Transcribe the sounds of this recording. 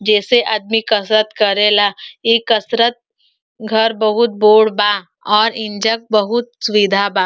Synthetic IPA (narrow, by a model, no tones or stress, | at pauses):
d͡ʒɛːseʔɐd̪̚mikɐsɾət̪kɐɾelaːikɐsɾət̪̚ | ɡʱɐɾbɐɦʊt̪̚boːɽbaː | ɔːɾɪ̃ɲd͡ʒək̚bɐɦʊt̪̚sʋid̪ʱabaː